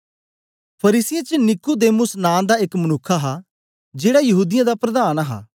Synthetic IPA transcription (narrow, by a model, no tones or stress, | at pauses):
pʰɐɾiːsɪjet͡ʃnɪkud̪eːmʊsnaːmd̪aɪkmənʊkʰːaɦa | d͡ʒeːɽajɐɦuːd̪ɪjãd̪apɾɐd̪aːnɦa̰ː